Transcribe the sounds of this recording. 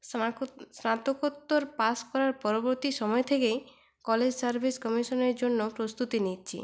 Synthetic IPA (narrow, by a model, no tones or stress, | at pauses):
ssnat̪okot̪ːoɾpaskɔɾaɾpɔɾoboɾt̪iʃɔmɔet̪ʰekej | kɔled͡ʑsaɾbʱiskɔmiʃoneɾd͡ʑonːopɾost̪ut̪initːɕʰḭ